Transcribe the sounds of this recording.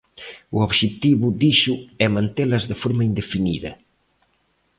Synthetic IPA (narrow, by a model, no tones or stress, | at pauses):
uoβʒet̪iβud̪iʃuɛmãnt̪elɐzðefoɾmɐind̪efinḭðɐ̰